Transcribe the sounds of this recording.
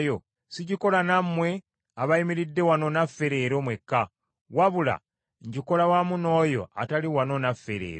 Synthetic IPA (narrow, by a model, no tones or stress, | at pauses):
jo | siɟiko̞lanamːwe̞ | aβaimiɾidːe̞wano̞nafːe̞ɾe̞ɾo̞mwe̞kːa | waβula̰ | ɲɟiko̞lawamuno̞ːjo̞̰a̰taliwano̞nafːeɾḛːɾ